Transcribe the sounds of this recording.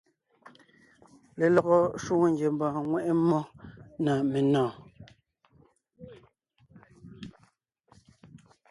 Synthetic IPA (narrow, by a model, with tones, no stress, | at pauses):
le˨lɔ˨ɣɔ˦ʃwoː˦ŋ˦ŋɡje˨m˦bãː˨ŋwɛ˦ʔe˦mːɔ˦na˨me˨nɔ̃ː˨